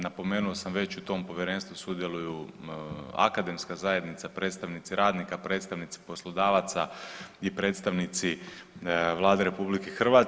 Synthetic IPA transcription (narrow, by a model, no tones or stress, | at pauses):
napo̞me̞ːnuosamʋe̞t͡ɕut̪o̞mpo̞ʋjeɾeːnst̪ʋusud̪jelˠuju | a̰kad̪e̞mskazaje̞d̪nit̪sapɾet̪st̪aʋnit̪siɾʔaːd̪nikapɾe̞ːt̪st̪aʋnit̪si̥po̞slˠo̞d̪aːʋat̪saipɾet̪st̪aʋnit̪si | ʋlˠaːd̪eɾe̞publikexr̩ʋat